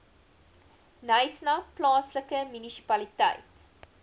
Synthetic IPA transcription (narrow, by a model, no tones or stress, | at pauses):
nɐjsnɐplɑːnsləkəmynisi̥pɐlitɐ̰jt